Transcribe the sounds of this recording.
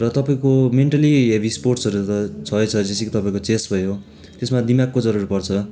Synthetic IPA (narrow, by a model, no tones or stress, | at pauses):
rʌt̪ʌpaĩkomeɳʈʌliɦebisporʈsʌɾut̪ʌt͡sʰʌjt͡sʰʌd͡zesikot̪ʌpaĩkot͡sesʈbʱʌjo | t̪esmad̪imakːod͡zʌɾurpʌrt͡sʰʌ